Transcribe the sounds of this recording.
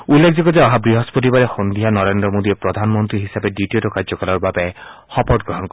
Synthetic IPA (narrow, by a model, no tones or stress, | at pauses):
ulːek̚ʰzɔkɔzɛɔɦabɹiɦɔspɔt̬ibaɾɛxɔnd̪ʱiɦanɔɹend̪ɾɔmod̪iɛpɹɔd̪ʱanmɔnt̪ɾiɦisabɛditiotɔkaɹd͡ʒɔkalɔɹbabɛxɔpɔt̚ɡɹɔɦɔnkɔ